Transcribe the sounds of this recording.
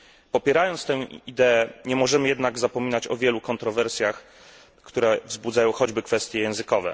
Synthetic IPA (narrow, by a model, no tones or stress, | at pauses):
pɔpʲjɛɾajɔnt̪st̪ɛ̃w̃id̪ɛːɲɛmɔʐɛmɘjɛd̪naɡzapɔmʲinat͡ɕɔvʲjɛlukɔnt̪ɾɔvɛɾsʲjax | kt̪uɾɛvzbud̪zajɔ̃w̃xɔd͡ʑbɘkfɛst̪ʲjɛjɛ̃w̃zɘkɔvɛ̰